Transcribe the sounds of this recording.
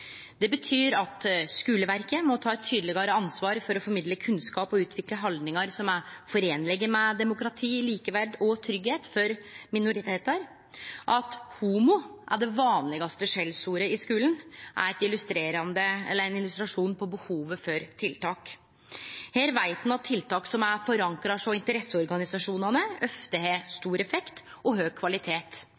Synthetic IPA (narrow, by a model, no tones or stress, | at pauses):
d̪̥ɛbət̪ʰyːɾɑt̪skʉːləʋæɾkəmɔt̪ʰɑːɛt̪ʰːyːd̪lɪɡɑɾəɑnsʋɑːɾfɔɾɔfɔɾmɪd̪ləkʰʉnskɑːpɔʉːt̪ʰʋɪkləɦɑld̪nɪŋɑɾsɔmæɾfɔɾeːnlɛɡəmɛd̪ɛmʊkɾɑt̪ʰiːliːkəʋæɖɔt̪ʰɾʏɡheːt̪fɔɾmɪnʊɾɪt̪ʰeːt̪əɾ | ʔɑt̪huːmʊʔæɖɛʋɑːnlɪɡɑst̪əʂɛlsuːɾəɪskʉːlənʔæ̰ɾɛt̪ɪlʉst̪ɾeːɾɑnd̪əɛ̰lːəɾɛnɪlʉst̪ɾɑʂuːnpʰɔbəhuːʋəfɔɾt̪ʰɪlt̪ʰɑːk | heːɾʋæɪt̪n̩ɑt̪ʰːɪlt̪ɑːksɔmæɾfɔɾɑŋkɾɑʂɔmɪnt̪əɾɛsːəɔɾɡɑnɪsɑʂuːnɑnəœft̪əhest̪uːɾɛfɛkt̪ | ɔɦøːɡ̚kʰʋɑlɪt̪ʰeːt̪